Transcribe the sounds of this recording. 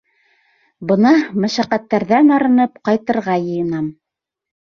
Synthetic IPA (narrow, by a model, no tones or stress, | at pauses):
bɤ̆nɑmæʃæqæt̪ːæɾðænɑɾɤ̆nɤpqɑjt̪ɤ̆ɾʁɑjɤ̆jɤ̆nɑm